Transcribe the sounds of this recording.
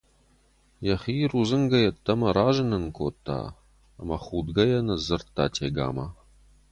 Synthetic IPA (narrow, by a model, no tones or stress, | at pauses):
jɐχiːruːzɨŋɡɐjɐtʰːɐmɐɾaːʒɨnɨnkʰoːt̪ʰːa̰ː | mɐχuːd̪ɡɐjɐnɐzɨrt̪ʰːaːtʰeːɡa̰ːmɐ